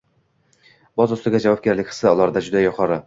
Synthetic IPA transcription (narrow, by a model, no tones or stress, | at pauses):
bɒzʊst̪ɪɡʲad͡ʒavwɒb̚ɡʲaɾlɪkʲqʰɨ̥sɪʊlˠɒɾd̪ad͡ʒʊd̪ajʊqʰɒɾɪ